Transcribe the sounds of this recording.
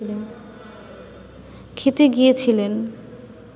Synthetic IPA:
ilen | kʰit̪eɡijet͡ɕʰilen

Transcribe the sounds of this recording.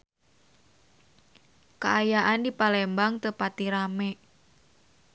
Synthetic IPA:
kaajaʔandipalɛmbaŋt̪əpat̪iɾamɛ

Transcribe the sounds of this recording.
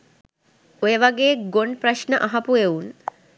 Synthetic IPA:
ojəʋaɡeːɡoɳprɐʃnəʔaɦapueun

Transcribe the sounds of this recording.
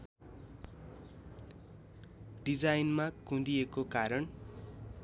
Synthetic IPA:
ɖid͡zajnmakũd̪ijekokaɾʌn

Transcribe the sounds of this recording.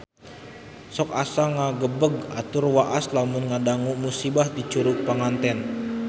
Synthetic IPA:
sɔkasaŋaɡəbəɡa̰t̪urwaʔaslamʊnŋadaŋumusibahdit͡ʃuɾuʔpaŋant̪ɛn

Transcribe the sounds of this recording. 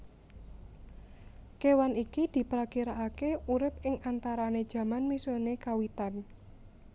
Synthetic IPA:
kewanikid̪̥i̤pɾakiɾaʔakeuɾɪp̚ɪŋant̪aɾaned̥ʒ̥ä̤manmisonekawit̪an

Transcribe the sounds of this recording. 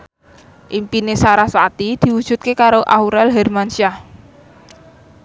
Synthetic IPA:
ʔimpinesaɾasat̪id̪̥i̤wud̥ʒ̥ṳt̪̚kekaɾoʔauɾɛlɦɛrmanʃia

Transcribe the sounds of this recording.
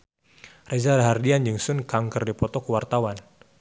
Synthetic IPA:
rezadaɦardiand͡ʒuŋsʊnkaŋkərdipɔt̪ɔkəwart̪awan

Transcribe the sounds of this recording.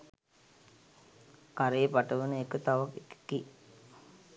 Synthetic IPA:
kaɾeəpaʈəʋənəekət̪aʋakekə̥ki

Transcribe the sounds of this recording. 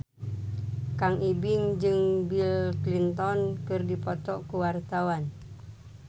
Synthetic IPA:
kaŋʔibiŋd͡ʒɨŋbilklint̪ɔnkɨrdipɔt̪ɔʔkuwart̪awan

